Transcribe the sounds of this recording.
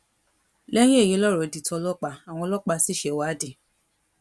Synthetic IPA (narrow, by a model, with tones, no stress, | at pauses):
lɛ˦j̃ĩ˦e˦˨je˨˦lɔ˦ɾɔ˨di˨tʰɔ˧lɔ˦k͡pa˧a˨w̃ɔ̃˧lɔ˦k͡pa˧si˦ʃe˧˨wa˨˦di˨